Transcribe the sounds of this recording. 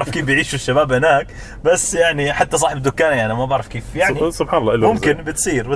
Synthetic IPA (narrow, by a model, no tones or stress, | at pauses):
ɾɑfkeːfbjɪʕiːʃuʃːabaːbhɪnaːk | basːjaʕniħat̪ːasˤɑːħɪbɪd̪ːʊkːaːnjaʕnimabaʕɾˤɑfkeːfjaʕnisʊbħɑːnɑlːɑːʔɪlːmʊmkɪnbɪt̪sˤiːɾwɪ